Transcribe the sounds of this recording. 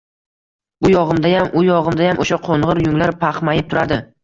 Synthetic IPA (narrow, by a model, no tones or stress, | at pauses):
bʊjɒʁɨmd̪ajamʊjɒʁɨmd̪ajamʔoʃaqʰoɴʁɨɾjʊŋlaɾpʰaχmajɪp̚t̪ʰʊɾad̪ɪ